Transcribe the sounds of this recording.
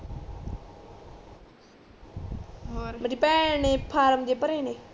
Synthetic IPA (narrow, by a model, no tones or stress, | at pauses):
mɾipɛːnẽːpʰaːɾəmd͡ʒ̪eːpəɾeːneː